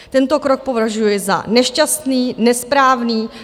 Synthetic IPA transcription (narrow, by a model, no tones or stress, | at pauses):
t̪ɛnt̪o̞kɾok̚po̞vaʒujɛza̰nɛʃcast̪niːnɛspɾaːvniː